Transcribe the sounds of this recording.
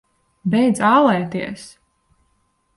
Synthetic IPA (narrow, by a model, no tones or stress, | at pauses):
bɛjd̪zaːlˠɛːt̪iɛs